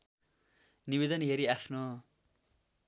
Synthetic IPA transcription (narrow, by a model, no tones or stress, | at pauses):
nibed̪ʌnɦeɾiapʰno